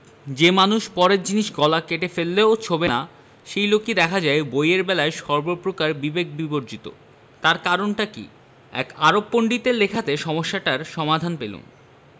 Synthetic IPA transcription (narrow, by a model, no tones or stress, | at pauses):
d͡ʑemanuʃpɔɾeɾd͡ʑiniʃɡɔlakeʈefelːeot͡ɕʰobena | ʃejlokid̪ɛkʰad͡ʑaebojeɾbɛlaeʃɔɾbopɾokaɾbibek̚biboɾd͡ʑit̪o̰ | t̪aɾkaɾonʈakḭ | ɛ̰kaɾopːoɳɖit̪elekʰat̪eʃɔmoʃːaʈaɾʃɔmad̪ʱanpelṵn